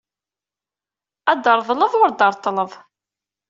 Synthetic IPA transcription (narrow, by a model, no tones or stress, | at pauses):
æd̪əɾˤðˤləðʊɾd̪ɑɾˤt̪ˤːələðˤ